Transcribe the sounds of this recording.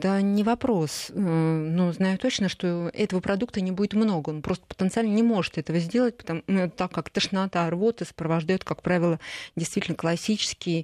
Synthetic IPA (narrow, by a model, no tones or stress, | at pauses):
t̪ənʲɪvɐpɾos | nuznajʊt̪o̞t͡ɕnəʂt̪o̞ɛt̪əvəpɾɐd̪ukt̪ənʲɪbudʲɪt̪mno̞ɡəonpɾo̞st̪ə̥pə̥t̪ənt̪sɨalʲnənʲɪmo̞ʐɨt̪ɛt̪əvəzʲdʲe̞lˠət̚ʲpət̪ɐmɛt̪t̪akːakt̪əʂnat̪arbo̞t̪ɨsə̥pɾəvɐʐd̪ajʊt̪kakpɾavʲɪlˠədʲɪjst̪vʲitʲɪlʲnəklˠɐsʲit͡ɕɪ̥skʲɪj